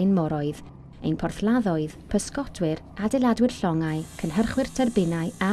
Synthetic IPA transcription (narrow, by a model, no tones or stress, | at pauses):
jnmɔɾɔɨð | ḛjnpʰɔrθlˠaðɔɨðpʰəskɔdʰwɪr | adɛlˠadwɪr̥ɬɔŋaɨkʰənɦərχwɪrtʰərbɪnaɨa